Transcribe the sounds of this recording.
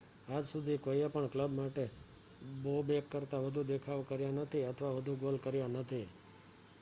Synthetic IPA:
ad͡ʒsud̪ʱikoiepəɳkləbmaʈe | bobekːəɾt̪aʋəd̪ʱud̪ekʰaʋkəɾjãnət̪ʰiət̪ʰəʋaʋəd̪ʱuɡolkəɾjãnət̪ʰi

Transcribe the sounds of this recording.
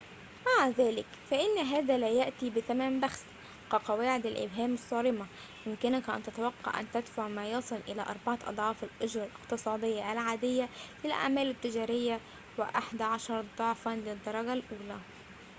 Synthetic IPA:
maʕðæːlɪkfæʔɪnːɦæːðæːlæjaʔt̪iːbɪθæmæːmbaxs | qɑqɑwaːʕɪd̪ɪlʔɪ̰bɦæːmɑsˤːɑːɾɪmɑ | jʊmkɪnakʔæ̰nt̪æt̪awɑqːɑ̰ʕʔæ̰nt̪æd̪faʕmæːjɑsˤɨlʔɪlæːʔɑ̰ɾˤbɑʕɑʔɑ̰d̪ˤʕɑːfɪlʔʊd͡ʒɾˤɑlʔɪqt̪ɨsˤɑːd̪ˤɪjːaʔælʕaːd̪ɪjːalɪlʔa̰ʕmæːlɪt̪ːɪd͡ʒæːɾɪjːa | wɪʔaħd̪æʕɑʃɑɾˤd̪ˤɑʕfɑnlɪd̪ˤːɑɾˤɑɡalʔuːlæ

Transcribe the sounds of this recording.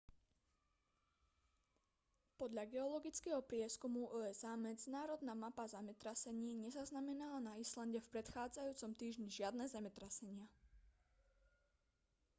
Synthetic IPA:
pɔd̪ʎaɡɛɔlɔɡit͡skɛːɦɔpɾɪɛskumuʔɔːɛzaːmɛd͡zinaːɾɔd̪namapazamɛt̪ɾasɛɲiːɲɛzaznamɛnalanaislanɟɛfpɾɛt̪xaːd͡zajuːt͡sɔmt̪iːʒɲiʒɪad̪nɛzamɛt̪ɾasɛɲɪa

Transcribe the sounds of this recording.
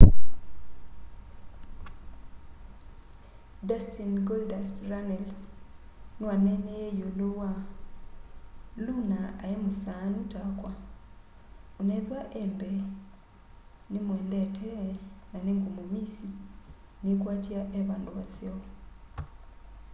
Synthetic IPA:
dastinɡoldasɾanels | nuwanenejejolowa | lunaːjemusanutakwa | uneðwaʔembe | nimweːndetʰenaniŋɡumumisi | nikwaːtiaʔeβaːnduβaseo

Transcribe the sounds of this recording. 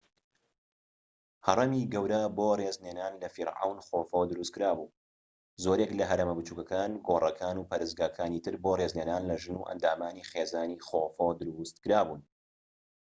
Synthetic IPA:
hɐrˤɐmiɡɐwɾɐboːreːzneːnaːnlɐfiɾʕa̰wnχoːfowd̪ɨɾust̪kɨɾaːbuː | zoːɾeklɐɦɐɾemɐbɨt͡ʃuːkɐkaːnɡoːrˤɐkʰaːnuːpʰɐɾɨsɡaːkʰaːniːt̪ʰɨɾboreːzneːnaːnlɐʒɨnṵʔɐ̰nd̪aːmaːniːχeːzaːniːχofod̪ɨɾust̪̚kɨɾaːbuːn

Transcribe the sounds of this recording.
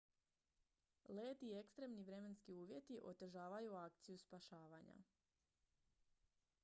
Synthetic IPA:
leːt̪iekst̪ɾe̞mniʋɾe̞me̞nskiuːʋje̞t̪iʔo̞t̪e̞ʒaːʋajuak̚t̪sijuspaʃaːʋaɲa̰

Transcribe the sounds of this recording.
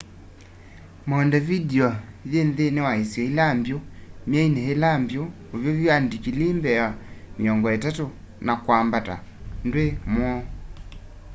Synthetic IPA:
mɔndɛvidiɔðenðenewaesiɔilambjomjainehelambjo | ovjoviandikilembɛameɔŋɡɔɛtato | nakwambata̰ndwemwɔ

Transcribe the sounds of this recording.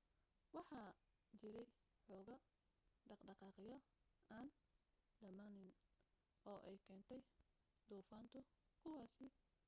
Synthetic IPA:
wɑħɑː | t͡ʃɪɾɛj | ħɔːɣɐ | ɖɑɖɑqɑːqɪjɔ | aːn | ɖɐmaːnɪn | ɔːʔɛjkʰɛːnt̪ʰɛj | d̪uːfaːnt̪ʰʊkʰʊwɑːsɪ

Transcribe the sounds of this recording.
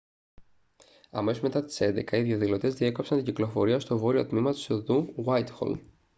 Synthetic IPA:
ɐ̰me̞sozme̞t̪ɐt̪i̥se̞nd̪e̞kɐiðʝɐðilo̞t̪e̞zðie̞kopsɐnt̪iɟiklo̞fo̞ɾiɐst̪o̞vo̞ɾio̞̰t̪mimɐt̪osðuɣwɐjt̪xo̰l

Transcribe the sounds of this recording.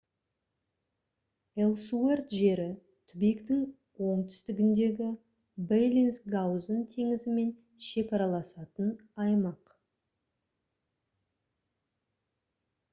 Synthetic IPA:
elˠsuert̪ʒe̞ɾɪ | t̪ʰʏbekt̪ɪŋ | wo̞ɴt̪ʰʏ̥st̪ɪɡʲɪnd̪e̞ɡʲɪ | bejlʲinsɡawzənt̪ʰe̞ŋɪzɪme̞n | ʃe̞kɑɾɑlˠɑsɑt̪ənɑjmɑq

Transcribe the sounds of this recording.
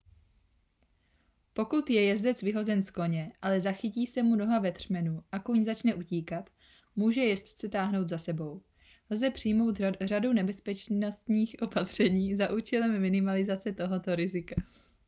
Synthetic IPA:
po̞kut̪jɛjɛzdɛt͡svɪɦo̞zɛnsko̞ɲɛʔalɛzaxɪciːsɛmuno̞ɦavɛt̪r̝̥mɛnuʔakuɲzat͡ʃnɛʔuciːkat̪ | muːʒɛjɛst̪t͡sɛt̪aːɦno̞wt̪zasɛbo̞w | lzɛpr̝̥ɪjmo̞wt̪radownɛbɛspɛt͡ʃnost̪ɲiːxʔo̞pat̪r̝̥ɛɲiːzaʔuːt͡ʃɛlɛmːɪnɪmalɪzat͡sɛt̪o̞ɦo̞t̪o̞ɾɪzɪka

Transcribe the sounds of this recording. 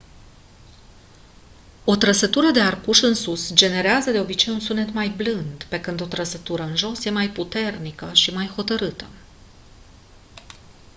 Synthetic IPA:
o̞t̪ɾəsət̪uɾəd̪e̞arkuʃɨnsusd͡ʒe̞ne̞ɾeazəd̪e̞o̞bit͡ʃe̞junsune̞t̪majblɨnd̪pe̞kɨnd̪o̞t̪ɾəsət̪uɾəɨnʒo̞sje̞majput̪e̞rnikəʃimajho̞t̪əɾɨt̪ə

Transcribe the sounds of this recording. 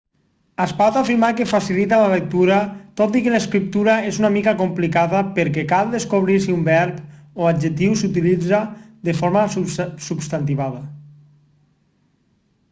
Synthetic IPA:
aspat̪afiɾmakefasilit̪aləlek̚t̪uɾat̪ot̪ikeləskɾip̚t̪uɾaezunamikakomplikaðəpəɾkɛkalˠd̪eskoβ̞ɾiɾsiumbɛɾpoad͡ʒet̪iwsut̪ilid͡zad̪əfoɾmasubst̪ant̪iβaðɐ

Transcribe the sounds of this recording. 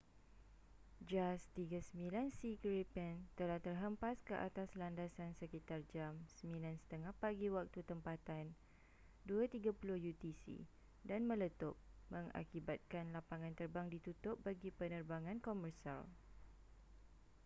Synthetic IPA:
d͡ʒast̪iɡasəmbilansikɹipɛnt̪əlaht̪ərɦəmpaskəʔa̰t̪aslandasansəkit̪ard͡ʒamsəmĩlansə̥t̪əŋahpaɡiwak̚t̪ut̪əmpat̪an | duat̪iɡapulʊhjut̪isḭ | danmə̃lət̪ʊp̚mə̃ŋa̰kibat̪̚kanlapaŋãnt̪ərbaŋdit̪ut̪ʊp̚baɡipənərbaŋãnkomərsa̰l

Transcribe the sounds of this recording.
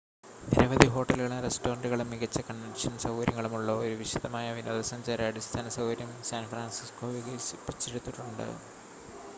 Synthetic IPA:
niɾɐʋɐðiɦo̞ːʈːɐlɣɐɭunrestoːɾɐɳɖuɣɐɭumːiɣɐt͡ɕːɐkɐɳːɐɖiʂɐnsɐwɣɐɾjɐŋːɐɭumuɭːɐoɾuʋiʂɐðɐmaːjɐʋino̰ːd̪ɐsɐɲd͡ʑaːɾɐɐɽist̪ʰaːnɐsɐwʋɐɾjɐmsaːnfraːnsisko̞ːʋiɡɐsipːit͡ɕːeɾut̪ːiʈːuɳɖɨ̰

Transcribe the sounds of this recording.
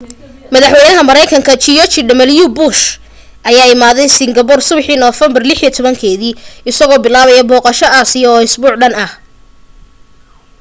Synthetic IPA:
mɐðɐħwɛnɐɦɐmɐɾɛjkʰɐŋkʰɐt͡ʃijɔt͡ʃɪɖɐmɐljubʊʃ | ʔɐjaːɪmaːðɛjsɪŋɡɐpɔrsʊβħiːnɔːfɛmbɐrlɪħijɐt̪ʰɔβɐŋkʰɛːðiːɪsɐɣɔːbɪlaːβɐjɐbɔːqɑʃɐaːsɪjɔːɪsbuːʕɖɐnɐh

